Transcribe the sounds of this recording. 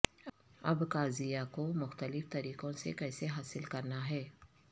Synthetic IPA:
ɐ̰bkaːzijakomʊxt̪əlɪft̪ɐɾiːqõsekɛːseɦaːsɪlkɐɾnaɦɛː

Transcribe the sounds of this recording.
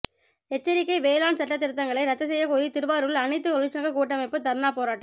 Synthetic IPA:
ɛt͡ʃːɐɾɪkːɐɪʋeːlaːnsɐʈːɐt̪̬ːɪɾɯt̪ːɐŋɡɐɭɐɪɾɐt̪ːɐsɛjːɐkoːɾit̪ɪɾɯʋaːɾɯɭɐnɪt̪ːɯkɔɭɪt͡ʃːɐŋɡɐkuːʈ̬ːɐmɐɪpːɯt̪ɐɾnaːpoːɾaːʈːɐ

